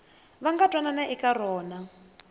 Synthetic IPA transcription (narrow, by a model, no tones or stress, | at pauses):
βaŋɡatʼwananaʔikaɾɔːna